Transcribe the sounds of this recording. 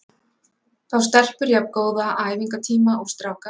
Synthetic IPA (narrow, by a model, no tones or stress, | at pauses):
θawst̪ɛr̥pʏɾjapkoːwðaʔaːjviŋkat̪ʰiːmaɔɣst̪ɾawka